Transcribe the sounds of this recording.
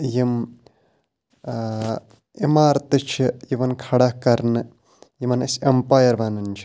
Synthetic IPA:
jim | imaːɾt̪ɨt͡ʃʰijiʋɐnkʰɐɽɐhkɐɾnɨ | jimɐnɐsempaːjɐɾʋɐnɐnʲt͡ʃʰi̥

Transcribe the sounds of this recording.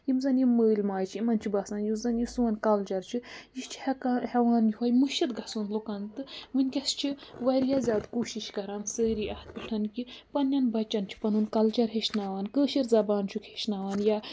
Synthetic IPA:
jimzɐnjiməːlmaːjt͡ʃʰimɐnt͡ʃʰibɐsaːnjimzɐnjisuwɐnkɐlt͡ʃɐɾt͡ʃʰijit͡ʃʰhkahɛʋaːnjiɦɐjmuʃɐt̪ɡʱɐsunlokant̪ɨmɨnʲkʲɐst͡ʃʰiʋɐɾjaːzʲaːd̪koːʃiʃkɐɾaːnsəːɾiːʔɐht̪̚pʲiʈʰɐnkipɐnʲːɐnbɐt͡ʃːɐnt͡ʃʰi̥pɐnunkɐlt͡ʃɐɾɦeʃnaːʋaːnkəːʃiɾzɐbaːnt͡ʃʰukʰeʃnaːʋaːnjaː

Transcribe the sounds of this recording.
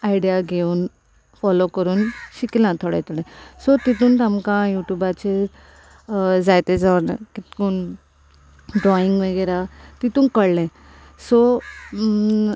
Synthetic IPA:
ajiɖijaɡʱeuːn | fɔlokəɾuːnɕikilãt̪ʰɔɽa̰jt̪uɽɛ̃sɔt̪it̪uːnt̪amkãjuʈjubat͡ɕe | d͡zajt̪ed͡zaʋɾnakit̪kuːn | ɖɾɔiŋɡʋəɡəjɾat̪it̪ũːnkəɽlɛ̃ | sɔ

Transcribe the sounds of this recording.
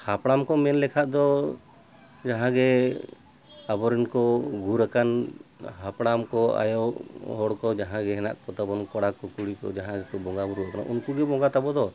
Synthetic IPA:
hapɽamkɔmɛnlɛkʰaʔd̪ɔ | d͡ʒaɦãɡɛ | abɔɾinkɔɡuɾakanhapɽamkɔa̰jɔʔɦɔɽkɔd͡ʒaɦãɡɛɦɛna̰ʔkɔt̪abɔnkɔɽakɔkuɽikɔ̰d͡ʒaɦãɡɛkɔbɔŋɡabuɾuakana̰ʔunkuɡɛbɔŋɡat̪abɔd̪ɔ

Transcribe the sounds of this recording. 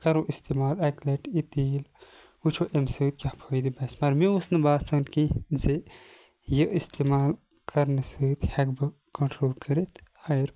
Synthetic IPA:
kɐɾõʔist̪imaːlɐkleʈit̪iːl | ut͡ʃʰoʔemsɨːt̪̚kʲapʰojd̪ibɐsmɐɾmiusnɨbaːt̪sɐnkĩze | jəʔist̪emaːl | kʰɐɾnɨsɨːt̪hɐkbɨ | koɳʈɾoːlkʰɐɾit̪hɐɾ

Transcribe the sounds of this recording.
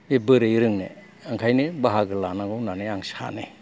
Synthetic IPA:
ebɯɾɯjɾɯŋnḛ | aŋkʰajnibaɦaɡɯlanaɡɔwnaneaŋsa̰ne

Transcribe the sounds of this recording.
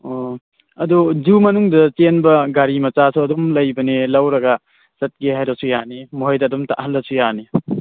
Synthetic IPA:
o | ɐdud͡ʒumɐnuŋdɐt͡ʃenbɐɡaɾimɐt͡ʃasʰuɐdumlɐjbɐnilɐwɾɐɡɐ | sɐt̚ɡiɦajɾɐsujanimuɦɐjdɐːdumta̰ʔɦɐlːɐsujani

